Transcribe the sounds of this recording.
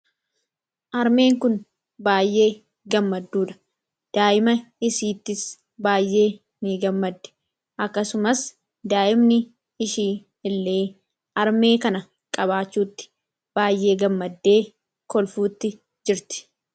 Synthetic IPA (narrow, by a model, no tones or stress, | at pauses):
ʔɐɾme̞ːŋkʊn | baːjʔe̞ː | ɡɐmːɐd̪ːuːᶑɐ̥ | d̪̥aːʔɪmɐɪsiːt̪ːɪs | baːjːʔe̞ː | nɪɡɐmːɐd̪ːɛ̥ | ʔɐkːɐsʊmɐs | d̪aːʔɪmnɪ | ɪʃiː | ɪlːe̞ː | ʔɐɾme̞ːkɐnɐ | kʼɐbaːt͡ʃːuːt̪ːɪ̥ | b̥aːjːe̞ːɡɐmːɐd̪ːe̞ː | kɔlfuːt̪ːɪ | d͡ʒɪɾt̪ɪ̥